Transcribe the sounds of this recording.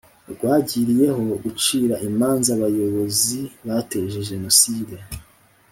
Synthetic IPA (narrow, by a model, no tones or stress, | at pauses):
ɾɡwaːɟiɾije̞ho̞ɡut͡ʃiːɾaʔimaːnzaβajo̞βo̞ziβate̞ʒe̞ʒe̞no̞siːde